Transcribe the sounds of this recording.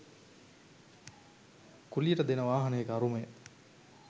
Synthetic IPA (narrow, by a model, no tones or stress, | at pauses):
kuliəʈəd̪enəʋaːɦɐnəjekaɾuməjə